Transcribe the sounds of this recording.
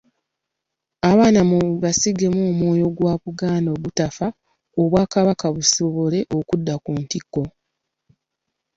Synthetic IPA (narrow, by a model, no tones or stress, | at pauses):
aβaːnamuβasiɡe̞moːmwo̞ːjo̞ɡwaːβuɡaːndo̞ːɡutafa | oβwaːkaβakaβusoβole̞ʔo̞kudːakuːntikːo̞